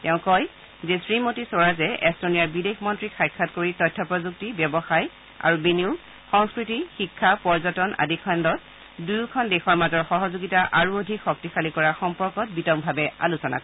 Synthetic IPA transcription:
tɛʊ̃kɔj | zesɹimotisoɹazɛʔɛstonijaɹbidexmɔntɹixʰajkʰːatkoɹitɔjtʰːɔpɹɔzuk̚tibjɛbɔxaj | a̰ɹubiniu | xɔŋskɹitixikʰːapɔɹzɔtɔna̰dʱikʰandɔt̚ | dujukʰɔndɛxɔɹmazɔɹxɔɦɔzuɡitaʔaɹuodʱikxɔk̚tixalikɔɹaxɔmpɔɹkɔt̚bitɔmbʱabɛa̰lusɔna̰k

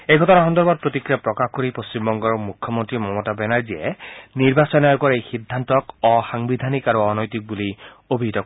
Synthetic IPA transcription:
ejɡʱɔtɔnaɦɔnd̪ɔɹbatpɹotikɹiapɹɔkaxkoɹipost͡ɕimbɔŋɡɔɹmukʰːɔmontɹimɔmɔtabɛnaɹziɛ̰niɹbasɔnaɹkɔɹejxidʱːantɔkɔxaŋbid̪ʱanikaɹuɔnɔjtik̚buli | obʱiɦitɔk

